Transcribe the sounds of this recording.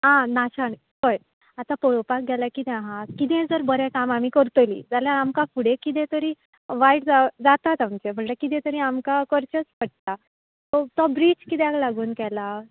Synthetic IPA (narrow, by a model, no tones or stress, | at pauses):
ɦãnaɕaɳ | kəj | at̪apəɭopak̚ɡʱɛlakit̪ɛ̃aɦãkit̪ɛ̃d͡zəɾbəɾɛkamam̤iːkəɾt̪əlḭːd͡zaljaɾamkafuɽekit̪̬ɛ̃t̪əɾi | ʋaiʈd͡zad͡zat̪at̪amt͡ɕem̤əɳt̪ekit̪̬ɛ̃t̪əɾĩamkakəɾt͡ɕət͡spəʈ̚t̪a | t̪ɔt̪ɔbɾit͡ɕkit̪ɛ̃aɡlaɡuːnkɛla